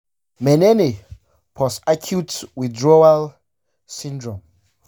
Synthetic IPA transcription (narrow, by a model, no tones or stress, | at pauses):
mɛnɛne | pʰɔsakʰjutwidɹɔal | sĩndɹɔ̃m